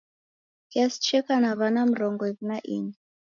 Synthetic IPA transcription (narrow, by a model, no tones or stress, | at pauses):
kiast͡ʃɛkanaβanam̩ɾɔŋɡɔiβunaʔḭni